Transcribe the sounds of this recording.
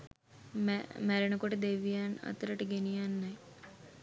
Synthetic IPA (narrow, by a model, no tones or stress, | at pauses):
mmæɾənəkoʈəd̪eʋːijanə̰t̪əɾəʈəɡenijanːaj